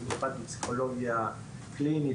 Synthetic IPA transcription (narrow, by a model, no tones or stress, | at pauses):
nipat̪ipsi̥kʰoloɡia | klini